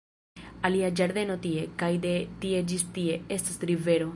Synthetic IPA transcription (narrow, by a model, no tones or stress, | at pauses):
aliad͡ʒaɾd̪e̞no̞tie̞kajd̪e̞t̪ie̞d͡ʒistie̞e̞stasɾive̞ɾo̞